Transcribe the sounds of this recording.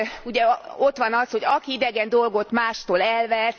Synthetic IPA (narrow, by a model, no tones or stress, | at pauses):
uɟɛo̞t̪ʋɒnɒsho̞ɟɒkiid̪ɛɡɛnd̪o̞lɡo̞t̪maːʃt̪oːlɛlʋɛs